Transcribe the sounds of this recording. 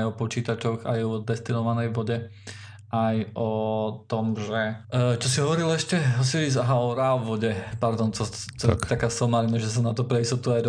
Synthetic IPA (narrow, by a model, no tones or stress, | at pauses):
jɔpɔt͡ʃiːt̪at͡ʃɔɣa̰jɔd̪ɛst̪inɔʋanɛjʋɔɟɛ | ʔajʔɔt̪ɔmʒɛt͡ʃɔsiɦɔʋɔɾilɛʃcɛɔsiːɾizɔɦaɔɾalʋɔɟɛpaɾd̪ɔnt͡sɔt͡ʃɔakaːsɔmaɾinaʒɛs̬anat̪ɔpɾɛist̪ɔt̪uajd̪